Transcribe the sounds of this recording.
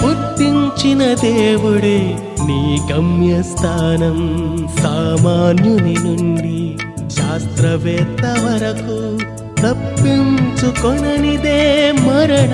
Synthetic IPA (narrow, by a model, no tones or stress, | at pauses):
uɾt̪ːiɲt͡ʃinɐd̪eːʋuɽe | niːɡɐmjɐst̪ʰaːnɐmsaːmaːnjɐninuɳɖi | ʃaːst̪ɾɐʋeːt̪ɐʋɐɾɐku | t̪ɐpːint͡ʃukɔɳɐnid̪eːmɐɾɐɳɐ